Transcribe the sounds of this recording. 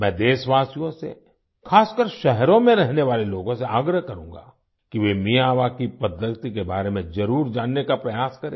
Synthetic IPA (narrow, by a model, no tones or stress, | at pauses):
mɛ̃ːd̪eːʃʋaːsijõsḛ | kʰaːskəɾʃɛɦɾõmẽɾɛɦneʋaːleloːɡõseaːɡɾəɦkɐɾũːŋɡa̰ː | kiʋemijaːʋakipɐd̪jəkt̪ikebaːɾemẽd͡ʒɐɾuːɾd͡ʒaːnːekapɾɐjaːskɐɾḛː